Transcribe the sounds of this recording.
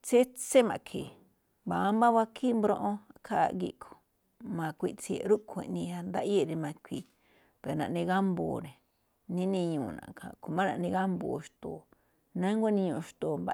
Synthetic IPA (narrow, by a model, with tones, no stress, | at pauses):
t͡se˦t͡se˦mã̰˧˨kʰi˨ | ba˨˦mbã˦βa˦kʰi˦mbɾõ˧ʔõ˦a˧kʰa̰˦˧ɡḭ˧ʔkʰo̥˨ | mã˧kʷi˧ʔt͡si˧ḛ˧˨ɾu˦kʷʰẽ˨nĩ˧a˧nd̪a˦ʔi˦e˧ɾi˧mã˧kʷi˧˨ | pe˨nã˨ʔnĩ˧ɣa˦mbo̰ː˧˨nẽ˨ | nĩ˦nĩ˧ɲũː˧˨nã̰˨kʰã̰˨ko˧mã˦nã˧ʔnĩ˧ɣa˦mbo̰˧˨ʃt̪o˨ | nã˦ŋɡʷa˦nĩ˧ɲũ˧ʃt̪o˨mba˧